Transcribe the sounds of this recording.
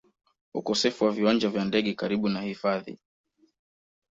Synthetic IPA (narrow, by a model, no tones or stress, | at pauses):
ukɔsɛfuwaviwand͡ʒavjandɛɠɛkaɾiɓunahifaðḭ